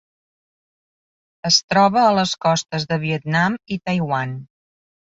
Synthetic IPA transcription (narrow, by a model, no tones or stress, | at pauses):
əst̪ɾɔβəːləskɔst̪əzðəβ̞iət̪namit̪əjwan